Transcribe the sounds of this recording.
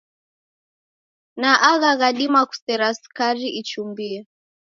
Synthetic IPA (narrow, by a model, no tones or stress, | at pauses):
naʔaɣaɣaɗimaku̥sɛɾaskaɾiʔit͡ʃumbiɛ